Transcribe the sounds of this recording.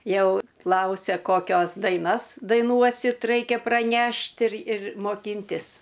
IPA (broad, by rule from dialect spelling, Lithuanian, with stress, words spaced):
ˈjɛʊ ˈklˠɐʊsʲɛ koːˈkʲoːs dɐɪˈnɐs dɐɪˈnuɔsʲɪt ˈrɐɪkʲɛ prɐˈnʲɛʃʲtʲ ɪr ɪr moːˈkʲɪnʲtʲɪs